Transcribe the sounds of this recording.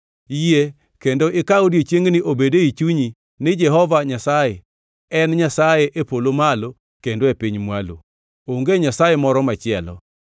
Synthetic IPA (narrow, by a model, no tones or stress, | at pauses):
ije | kendoʔɪkaodiet͡ʃjeŋnɪʔobedeit͡ʃuɲi | nɪd͡ʒɛɦɔvaɲasaje | ɛnɲasajeʔepolomalo | kendoepiɲmwalo̰ | oŋɡeɲasajemɔɾɔmat͡ʃɪɛlɔ̰